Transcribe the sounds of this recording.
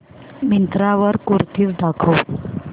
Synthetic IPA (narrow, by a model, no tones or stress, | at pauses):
mint̪ɾaʋəɾkuɾt̪ʰiːt͡sɖakʰəw